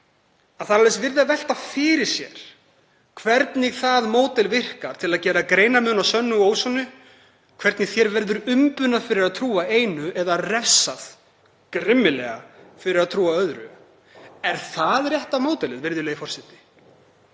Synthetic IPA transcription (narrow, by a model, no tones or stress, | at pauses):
aðθaɾalɛsvɪɾðavɛl̥t̪afɪɾɪɾ̥sjɛ̰ɾ̥ | kʰvɛɾt̪nɪɣθaðmoːwt̪ɛlvɪr̥kaɾ̥t̪ʰɪlaðcɛːɾakɾeːjnamʏnasœnːʏuoːwsɔnʏ | kʰvɛɾt̪nɪθjɛɾvɛɾðʏɾʏmpʏnaðfɪɾɪɾaðt̪ʰɾuːaeːjnʏʔɛðarɛfsað | kɾɪmːɪlɛ̰ɣafɪɾɪɾaðt̪ʰɾuːaœðɾʏ̰ | ɛɾ̥θaðrjɛht̪amoːwt̪ɛlɪðvɪɾðɪleːɣɪfɔr̥sɪht̪ɪ̥